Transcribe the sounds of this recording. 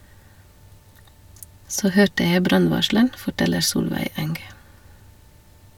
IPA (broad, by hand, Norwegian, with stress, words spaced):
ˈsoː ˈhøːʈə ˈjæɪ ˈbɾɑnˌʋɑʃɭəɳ fɔˈʈɛləɾ ˈsuːlʋæɪ ˈɛŋɡ